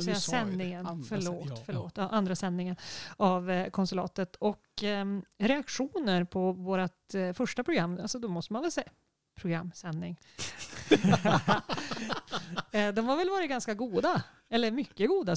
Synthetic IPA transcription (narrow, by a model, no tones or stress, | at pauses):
ɛsɛnːɪŋənfœɭoːt̪fœɭo̰ːt̪ːɑːʔand̪ɾasɛnːɪŋənavkʰɔnsɵlɑ̰ːt̪ət̪ʰɔk | ɾɛakɧuːnəɾpʰɔvoːɾat̪fœʂʈapʰɾʊɡɾamːalsɔd̪ɔmɔst̪əmanvɛlsɛ | pʰɾʊɡɾa̰mːsɛnːɪŋ | d̪ɔmhaɾvɛlvɑːɾɪt̪̚ɡanskaɡuːd̪a | ɛlːəɾmʏkːəɡuːd̪a